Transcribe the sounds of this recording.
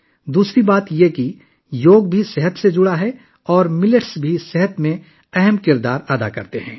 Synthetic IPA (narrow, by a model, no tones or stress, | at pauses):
d̪uːsɾibaːt̪jeki | joːɡ̚bʱisɛɦət̪sed͡ʒʊɽaɦɛ | ɔːɾmɪləʈsbʱisɛɦət̪mẽ | ɛɦəmkɪɾd̪aːɾad̪a̰kɐ̰ɾt̪eɦɛ̰̃ː